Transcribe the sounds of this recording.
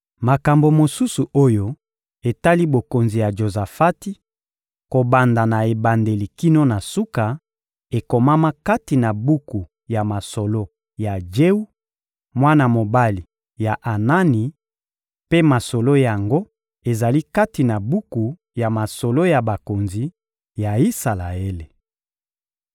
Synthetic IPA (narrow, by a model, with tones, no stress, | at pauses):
ma˨ka˨mbo˨mo˨su˦su˨o˦jo˦ | e˨ta˦li˦bo˨ko˨nzi˨ja˨ʒo˨za˨fa˦ti˦ | ko˨ba˨nda˨na˨e˨ba˨nde˨li˨ki˦no˦na˨su˦ka˨ | e˨ko˨ma˦ma˦ka˦ti˨na˨bu˦ku˨ | ja˨ma˨so˨lo˦ | ja˨d͡ʒe˦u˦ | mwa˦na˨mo˨ba˦li˨ | ja˨ʔa˨na˦ni˨ | pe˦ma˨so˨lo˦ja˨ŋɡo˦ | e˨za˨li˦ka˦ti˨na˨bu˦ku˨ | ja˨ma˨so˨lo˦ja˨ba˨ko˨nzi˨ | ja˨i˦sa˨la˨e˦le˨